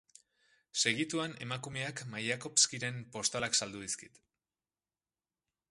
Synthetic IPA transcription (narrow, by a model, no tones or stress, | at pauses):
se̞ɣit̪uane̞makume̞akmajako̞pskiɾe̞mpo̞st̪alaksald̪uðiskit̪